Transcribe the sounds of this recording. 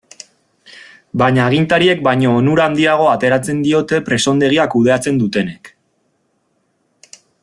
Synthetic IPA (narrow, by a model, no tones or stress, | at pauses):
baɲaːɣ̞int̪aɾie̞k̚bajɲo̞ːnuɾand̪iaɣ̞o̞at̪e̞ɾat͡se̞nd̪io̞t̪e̞pɾe̞so̞nd̪e̞ɣ̞iakuð̞e̞at͡se̞nd̪ut̪e̞nek